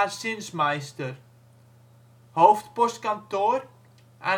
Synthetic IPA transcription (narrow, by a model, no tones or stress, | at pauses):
asɪnsmajst̪ʏɾ̥ | howft̪pɔskant̪ɔɾ | ɛ̰